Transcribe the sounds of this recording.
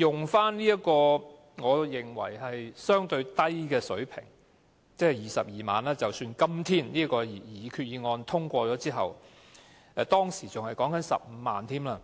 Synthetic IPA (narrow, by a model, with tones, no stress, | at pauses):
jʊ˨ŋfaː˥nnliː˥ɐ˥kɔː˧ | ŋɔː˨˧jɪ˨ŋwɐ̰˨˩jhɐ˨jsœː˥ŋt̪ɵ˧ɥt̪ɐ˥jkɛː˧sɵ̰˨˥ɥpʰɪ̰˨˩ŋ | t͡sɛ˥ɐ˨jiː˨˩sɐ˨p̚jiː˨ma̰ː˨nlaː˥t͡sɐ˨wsyː˧nkɐ˥mt̪ʰiː˥nniː˥ɐ˥kɔː˧ji˨˩jiː˨˧kʰyː˧t̚jiː˨˧ŋɔː˧nt̪ʰʊ˥ŋkʷɔː˧t͡sɔː˨˥t͡siː˥ɦɐ˨w | ɛː˧t̪ɔː˥ŋsiː˨˩t͡sʊ˨ŋhɐ˨jkɔː˨˥ŋkɐ˨˥nsɐ̰˨p̚m̩˨˧ma̰ː˨nt̪ʰiː˥mlaː˧